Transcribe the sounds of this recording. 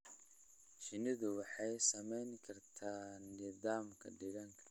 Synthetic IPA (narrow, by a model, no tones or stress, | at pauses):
ʃɪnɪðʊwɑħɑjsɐmɛjŋkʰɐrt̪ʰaːnːɪðaːmkʰɐ̰ɖɪɣɐŋkʰɐ̥